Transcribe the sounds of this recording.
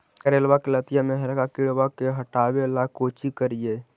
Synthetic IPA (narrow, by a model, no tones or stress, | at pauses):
kəɾeːlwakelət̪ɪjamɛɦɾkakɪɽʋakeɦɐʈaːwelakoːt͡ʃikəɾijeː